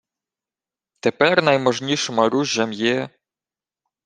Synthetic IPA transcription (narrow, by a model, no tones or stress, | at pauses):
t̪epɛrnɐjmɔʒnʲiʃɔmɐɾuʒːɐmjɛ